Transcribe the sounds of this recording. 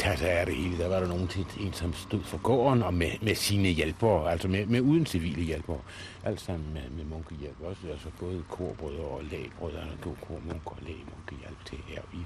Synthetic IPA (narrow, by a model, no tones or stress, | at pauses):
t͡sʰæsææɐɾ̥ehe̝̰ːləd̥æʋɑ̈ɾ̥ɑ̈no̝ːn̩t͡sʰed̥e̝̰ːnsɒ̽msd̥o̝ð̞̰ˠfɒɡ̥ɔ̰ːnɒ̽memesiːnəjelb̥ɐæl̰sɒ̽memeuːð̞ˠn̩siʋḭːləjelb̥ɐ | ʔæl̰d̥sɑ̈m̰n̩mememɔŋɡ̥əjelb̥ɒsəæsɒ̽b̥ɔ̽ːð̞ˠkʰo̝ɐ̰b̥ʁœðˠɐɒlɛ̰ːb̥ʁœðˠɐɡ̥o̝̰kʰo̝ɐ̰moŋɡ̥ɒlɛ̰ːmɔŋɡ̥əjælb̥t͡sʰɛ̰hæɐ̰i